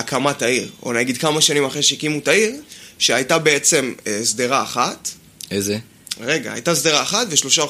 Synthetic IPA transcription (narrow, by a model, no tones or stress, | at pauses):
akamataiʁo̰naɡid̪̚kamaʃanimaχʁeʃeikimutaiʁʃeajtabee̞t͡se̞mesd̪eʁaːχat | eze | ʁe̞ɡa̰ha̰jtazd̪eʁaːχatveʃlo̞ʃao